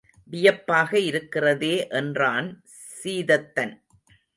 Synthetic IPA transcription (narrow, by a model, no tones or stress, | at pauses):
ʋɪjɐpːaːɣɐɪɾɯkːɪrɐðeːʔɛndraːn | siːðɐt̪ːɐn